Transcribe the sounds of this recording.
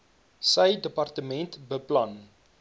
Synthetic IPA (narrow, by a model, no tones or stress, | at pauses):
səjdəpɐrtəmɛntbəplɐn